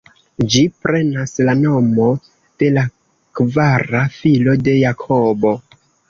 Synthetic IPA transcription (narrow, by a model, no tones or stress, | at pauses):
d͡ʒipɾe̞naslanomo̞ | d̥e̞la | kvaɾafilo̞de̞jakʰobo̞